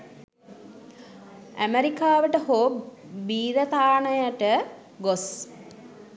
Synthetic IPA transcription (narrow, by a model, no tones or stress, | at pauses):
æ̰meɾikaːʋəʈəhobiːɾət̪aːɳəjəʈə | ɡos